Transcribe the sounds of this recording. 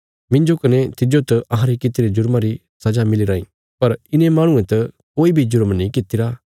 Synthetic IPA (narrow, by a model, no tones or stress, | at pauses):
mɪ̃nd͡ʒokɐnẽt̪ɪd͡ʒot̪ɐʔɐɦãɾikɪt̪ɪɾed͡ʒʊɾmãɾi | sɐd͡ʒamɪliɾaːĩ | pɐɾɪnẽmaːɽ̃ʊ̃ẽt̪ɐkoːibʱid͡ʒʊɾmnĩkɪt̪ːɪɾa